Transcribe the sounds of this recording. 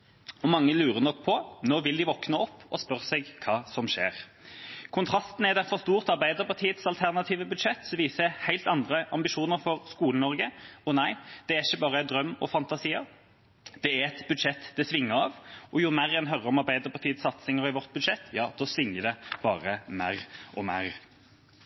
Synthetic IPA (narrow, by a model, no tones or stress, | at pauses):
ɔmɑŋːəlʉːɾənɔkːpʰɔnoːʋɪld̪ɪʋɔknəɔpːɔspœʁsɛɡkʰɑːsɔmʂḛːɾ | kʰʊnt̪ʰʁɑst̪n̩ɛd̪ɛfɔʁst̪uːʁt̪ɑɾbæɪd̪əɾpʰɑt̪ʰiːət̪sɑlt̪ʰæʁnɑt̪ʰiːʋəbʉd̪ʂɛt̪ːsɔʋiːsəhæɪlt̪ɑnd̪ɾəʔɑmbɪʃuːnəɾfɔʁskuːlənɔɾɡəɔnæɪd̪̥ɛæɾɪçːəbɑːʁəd̪ɾœmːɔ̰fɑnt̪ɑsiːə | d̪̥ɛæɛt̪bʉd̪ʂɛt̪ːd̪ɛsʋɪŋːəɾɑʋɔjʊmæːʁɛnɦœɾːəɾɔmɑʁbæɪd̪əɾpʰɑt̪ʰiːət̪sɑt̪sɪŋəɾɪʋɔʁt̪̚bʉd̪ʂɛt̪ːjɑːd̪̥oːsʋɪŋːəd̪ɛb̥ɑːɾəmæ̰ːʁʔɔmæ̰ːɾ